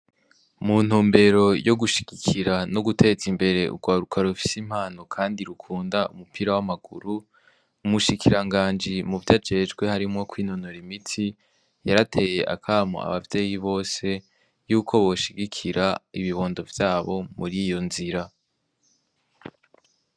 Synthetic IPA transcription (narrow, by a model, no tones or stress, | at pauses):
mun̥uːmbe̞ɾo̞joɡuʃi̥ɡ̥ikʰiɾano̞ɡutʰe̞zimbe̞ɾe̞ṵɡwaːɾukʰaɾufi̥sim̥haːno̞kʰaːndiɾukʰuːndaumupʰiːɾawamaɡṵɾu | umuʃikʰiɾaŋɡaːnd͡ʒimuvjaːd͡ʒe̞d͡ʒɡwe̞haɾimŋo̞kwiːno̞no̞ɾimitʰi | jaɾatʰe̞je̞ʔa̰kʰaːmo̰a̰βavje̞ːjiβo̞ːse̞ | juːkʰo̞βo̞ʃiɡikʰiɾaiβiβo̞ːndo̞vjaːβo̞muɾijo̞nziɾa